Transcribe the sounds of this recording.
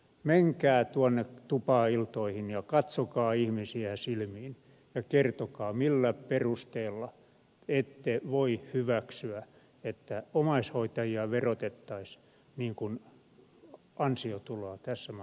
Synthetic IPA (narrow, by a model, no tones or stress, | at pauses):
meŋkæːt̪uonːet̪upɑːilt̪oihinjɑkɑt̪sokɑːihmisiæsilmiːn | jɑkert̪okɑːmilːæperust̪eːlːɑ | et̪ːeʋoihyʋæksyæ | et̪ːæomɑishoit̪ɑjiɑʋerot̪et̪ːɑis | niːŋkun | ɑnsiot̪uloɑt̪æsːæ